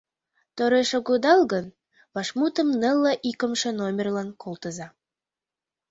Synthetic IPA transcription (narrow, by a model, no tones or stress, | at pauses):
t̪oɾeʃəɣud̪ɑlɣən | βɑʃmut̪ə̆mnəlˠːəʔikə̆mʃə̆nomʲerlɑnkʰolˠt̪ə̆zɑ